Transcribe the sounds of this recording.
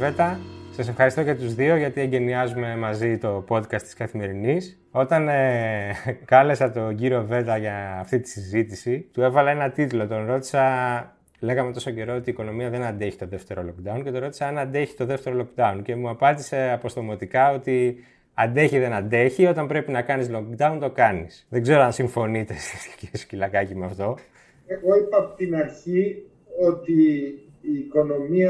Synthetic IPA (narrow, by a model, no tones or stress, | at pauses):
ve̞t̪ɐsɐsefxɐɾist̪ocɐt̪uzðio̞ʝɐt̪ie̞ɲɟe̞niɐzume̞mɐzit̪o̞po̞t̪kɐst̪i̥skɐθime̞ɾinis | o̞t̪ɐne | kɐle̞sɐt̪o̞ɟiɾio̞ve̞t̪ɐʝɐːft̪it̪i̥sizit̪isit̪ue̞vɐlɐe̞nɐt̪it̪ulo̞t̪o̞nɾo̞t̪i̥sɐ | le̞ɣɐme̞t̪o̞so̞ce̞ɾo̞ot̪iːko̞no̞miɐðe̞nɐnd̪e̞çi̥t̪o̞ðe̞ft̪e̞ɾo̞lo̞k̚d̪ɐuncet̪oɾo̞t̪i̥sɐɐnɐnd̪e̞çi̥t̪o̞ðe̞ft̪eɾo̞lo̞kd̪ɐunce̞muɐpɐnd̪ise̞ɐpo̞st̪omot̪ikɐo̞t̪i | ɐnd̪e̞çiðe̞nɐnd̪e̞çio̞t̪ɐmbɾe̞pinɐkɐnizlokd̪ɐunt̪o̞kɐnisðeɡze̞ɾoɐnsiɱfo̞nit̪e̞st̪iscesu̥cilɐkɐcimeɐft̪o̞ | eɣo̞ipɐːpot̪inɐɾçi | o̞t̪iː | ko̞nomiɐ